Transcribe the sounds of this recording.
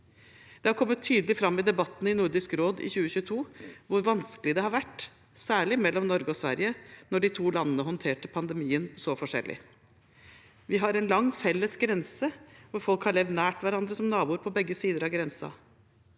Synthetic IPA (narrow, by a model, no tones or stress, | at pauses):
d̪̥ɛhɑɾkʰɔmːət̪ʰːyːd̪əlɪfɾɑmːɪd̪ɛbɑt̪ːn̩ɪnʊɾd̪ɪskɾoːd̪ɪ̰çʉːəçʉːət̪ʰuːʋʊɾʋɑnskəlɪd̪ɛhɑɾʋæʈː | sæːɭɪmɛlːɔmnɔɾɡəɔsʋæ̰ɾɪənɔɖɪt̪ʰuːlɑnənəɦɔnt̪ʰeːʈəpʰɑnd̪ɛmiːənsɔfɔʂɛ̰lʔɪ̰ | ʋɪɦɑɾɛnlɑŋːfɛlːəsɡɾɛnsəʋʊɾfɔlkhɑɭɛʋd̪næːʈʋæɾɑnd̪ɾəsɔmnɑːbuːɾpʰɔbɛɡːəsiːd̪əɾɑʋɡɾɛnsɑ̰